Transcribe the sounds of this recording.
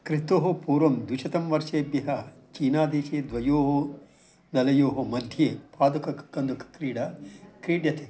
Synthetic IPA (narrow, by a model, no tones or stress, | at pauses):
kɾit̪oːɦopuːɾʋɐmd̪wiʃɐt̪ɐmʋɐɾʃeːbjɐɦɐ | t͡ʃiːnaːd̪ʱeːʃeːd̪ʋɐjoːɦo | d̪ɐlɐjoːɦomɐd̪ʱjeːpaːd̪ukɐkɐnd̪ukkɾiːɖɐkɾiːɖjɐt̪eː